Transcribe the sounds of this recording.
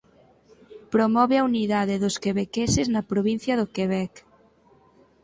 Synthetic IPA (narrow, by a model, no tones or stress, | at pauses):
pɾomɔβeɐuniðaðeðoskeβekeseznɐpɾoβin̟θjɐðokeβɛk